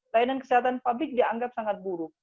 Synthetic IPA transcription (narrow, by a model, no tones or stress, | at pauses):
lainankəsiɦat̪anpablɪk̚diaŋɡap̚saŋat̪̚buɾʊk̚